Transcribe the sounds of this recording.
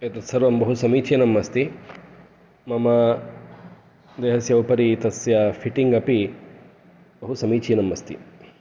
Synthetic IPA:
et̪ɐt̪sɐɾʋɐmbɐɦusɐmiːt͡ʃinɐmːɐst̪i | mɐmɐ | d̪eːɦɐsjɐʋpɐɾit̪ɐsjɐfʰiʈiŋɡɐpi | bɐɦusɐmiːt͡ʃiːnɐmːɐst̪ʰḭ

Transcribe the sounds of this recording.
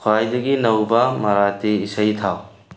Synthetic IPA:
kʰwajdɐɡilɐwbɐmɐɾateisɐjtʰaw

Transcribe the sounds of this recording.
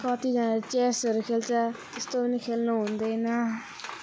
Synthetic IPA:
kɔ̃ːt̪ʰid͡ʒaːnaɾt͡ʃɛːsəɾkʰeːlt͡ʃat̪ɪst̪õːinikʰeːlnuɦõnd̪eina

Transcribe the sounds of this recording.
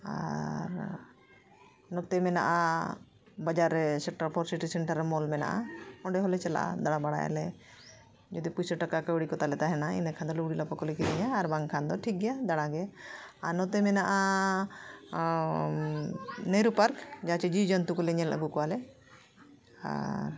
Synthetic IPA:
a̰ɾ | nɔt̪ɛmɛna̰ʔa | bad͡ʒaɾɛsɛk̚ʈaɾpʰɔɾsiʈisɛɳʈaɾːɛmɔlmɛna̰ʔa̰ɔ̃ɳɖɛɦɔlɛt͡ʃɛla̰ʔa̰d̪aɽabaɽa̰ja̰lɛ | d͡ʒɔd̪ipujsəʈakakawɽikɔt̪alɛt̪aɦɛnaḭnakʰand̪ɔluɡɽilapakɔlɛkiɾɛɲaːɾbaŋkʰand̪ɔʈʰik̚ɡɛjad̪aɽaɡɛaɾnɔt̪ɛmɛnaʔa | nejɾupaɾkd͡ʒat͡ʃɛd͡ʒid͡ʒɔnt̪ukɔlɛɲɛlə̰ɡukɔwalɛ | a̰ɾ

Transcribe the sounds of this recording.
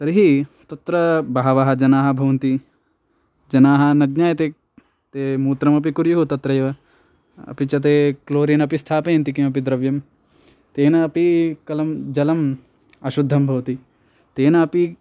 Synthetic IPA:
sɐɾiɦit̪ɐt̪ɾɐbaɦɐʋɐɦɐd͡ʒɐnaːɦɐ̆bʱɐʋɐnt̪i | d͡ʒɐnaːɦɐnɐɡɲaːjɐt̪eː | t̪eːmuːt̪ɾɐmɐp̬ikuɾjuɦut̪ɐt̪ɾɐjʋɐ | ɐ̰pit͡ʃɐt̪̬eːkloːɾinɐpist̪ʰaːpɐjɐnt̪̬ik̬imɐp̬id̪ɾɐʋjɐm | t̪eːnɐːpikɐlɐmd͡ʒɐlɐm | ɐʃud̪ʱːɐmbʱɐʋɐt̪i | t̪eːnɐːpi

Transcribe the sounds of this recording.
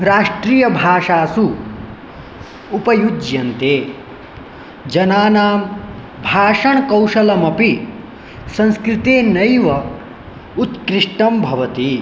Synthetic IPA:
ɾaːʂʈɾiːjɐbʱaːʂaːsu | upɐjud͡ʒjɐnt̪eː | d͡ʒɐnaːnaːm | bʱaːʂɐɳkɐwʂɐlɐmɐpi | sɐ̃nskɾɪt̪eːnɐjʋɐ | ut̪kɾiʂʈɐmbʱɐʋɐt̪i

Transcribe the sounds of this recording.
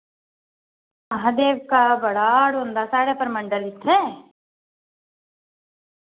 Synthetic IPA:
mɐɦɐd̪eːʋkabɐɽaːɽuɐnd̪ɐsaːɽepɐɾmɐɳɖɐlit̪ʰːe

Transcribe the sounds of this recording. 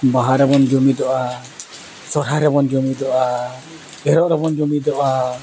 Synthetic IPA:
baɦaɾɛbɔnd͡ʒɔmid̪ɔʔa | sɔɾɦaɾɛbɔnd͡ʒɔmid̪ɔʔa | ɡɛɾɔʔɾɛbɔnd͡ʒɔmid̪ɔʔa

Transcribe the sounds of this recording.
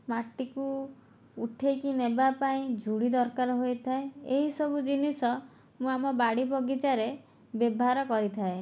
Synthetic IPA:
maʈikuː | ʈʰekinebapaĩd͡ʒʱuɽid̪ɔɾkaɾɔɦojt̪ʰaeeɦisɔbud͡ʒinisɔ | mũamɔbaɽibʱɔɡit͡ʃaɾe | bebʱɦaɾɔkɔɾit̪ʰae

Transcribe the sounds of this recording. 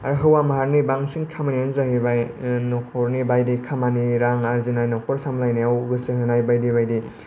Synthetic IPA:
aɾɦɯwamaɦaɾnibaŋsiŋkʰamanianzahɯbajnɔkʰɔɾnibajdikʰamaniɾaŋaɾzinajnɔkʰɔɾsamlajniawɡɯsɯhɯnajbajdiβajdi

